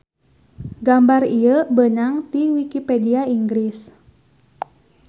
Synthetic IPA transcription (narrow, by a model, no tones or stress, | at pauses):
ɡambarijəbənaŋt̪iwikipediaiŋɡɾɪs